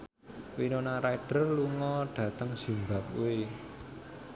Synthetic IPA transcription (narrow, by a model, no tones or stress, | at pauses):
winonaɾaɖ̥ərluŋɔɖ̥ä̤t̪əŋz̥i̤mba̤p̚ṵe